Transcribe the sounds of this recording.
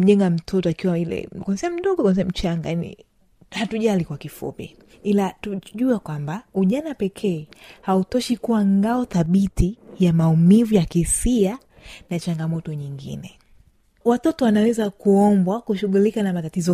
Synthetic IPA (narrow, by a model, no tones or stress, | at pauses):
m̩ʄɛŋɡam̩tʰɔtɔakiwailɛ̰kɔnsiam̩ɗɔɠɔkansɛam̩t͡ʃaŋɡajanḭ | hatuʄalikwakifṵpḭ | ilatuʄuakwambauʄanapɛkʰɛːhautɔʃikuaŋɡaɔθaɓitijamaumivujakisia | nat͡ʃaŋɡamɔtɔɲiŋɡḭnɛ | watɔtɔwanawɛzakuɔmbwakuʃuɠulikanamatatizɔ